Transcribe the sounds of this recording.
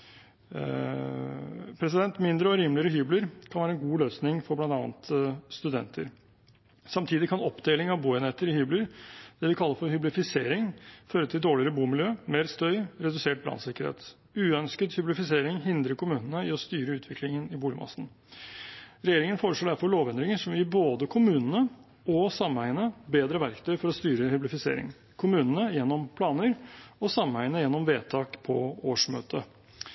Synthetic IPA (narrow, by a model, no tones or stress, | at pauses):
pʰɾɛs̬ɪd̪ɛnt̪mɪnd̪ɾəɔɾiːmlɪəɾəɦyːbləɾkʰɑnʋæːɾəɛnɡuːløːsnɪŋfɔblɑnt̪ɑːnt̪st̪ʉd̪ɛ̰nt̪ʰəɾ | sɑmt̪ʰiːd̪ɪkʰɑnɔpd̪eːlɪŋɑʋbuːɛnheːt̪əɾɪhyːbləɾd̪̥ɛʋɪkʰɑlːəɾfɔɾhʏblɪfɪseːɾɪŋføːɾət̪ʰɪld̪oːɭɪəɾəbuːmɪljøːmeːɾst̪œʏɾɛd̪ʉseːʈ̚bɾɑ̰nsɪkəɾhḛːt̪ | ʉːœnskət̪hʏblɪfɪseːɾɪŋhɪnd̪ɾəkʰʊmʉːnənəɪɔst̪yːɾəʉːt̪ʰʋɪklɪŋənɪbuːlɪ̰mɑ̰sn̩ | ɾɛjeːɾɪŋənfoːɾəʂloːɖ̪æɾfɔɾɭoːʋɛnd̪ɾɪŋəʂɔmjiboːd̪əkʰʊmʉːnənə | ɔsɑmːæɪnəbeːd̪ɾəʋæɾkt̪ʰœʏfɔɾɔst̪yːɾəhʏblɪfɪsḛːɾɪ̰ŋ | kʰʊmʉːnənəjɛnːɔmpʰlɑːnəɾɔsɑmːæɪənəjɛnːɔmʋeːt̪ʰɑːkpʰɔoːʂmø̰ːt̪ʰə